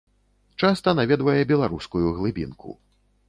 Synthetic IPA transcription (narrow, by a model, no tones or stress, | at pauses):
t͡ʂast̪ɐnavʲɛd̪vɐjɛbʲɛlˠaɾuskujuɣlˠɨbʲḭnkʰṵ